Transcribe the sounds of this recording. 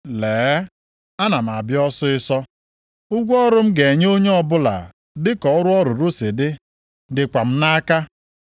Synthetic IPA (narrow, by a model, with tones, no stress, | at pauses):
leː˨˦ | a˦na˨m̩˨a˨bjɔ˦sʊ˦ɪ˦sɔ˦ | ʊ˦ɡʷɔ˦ɾʊ˦m̩˦ɡe˨ɲ˦o˦ɲe˦ɔ˦bʊ˦la̰˨ | dɪ˦kɔ˨ɔ˦ɾʊ˦ɔ˦ɾʊ˨ɾu˦se˨dɪ˦ | dɪ˨kʷa˨m̩˦na˦a˦ka˦